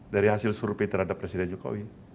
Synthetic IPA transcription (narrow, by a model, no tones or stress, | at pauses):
daɾiɦasɪlsurpit̪ərhadapːɾesidɛnd͡ʒuko̰wi